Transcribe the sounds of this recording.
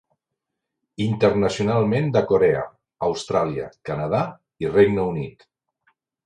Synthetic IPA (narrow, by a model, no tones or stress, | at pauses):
int̪əɾnəsiunalˠmend̪əkoɾeə̰ː | wst̪ɾaliə̰kənəð̞a | ireɡnəunit̪